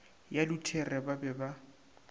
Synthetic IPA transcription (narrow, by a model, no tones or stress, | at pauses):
jalʊtʰɛrɛbabɛba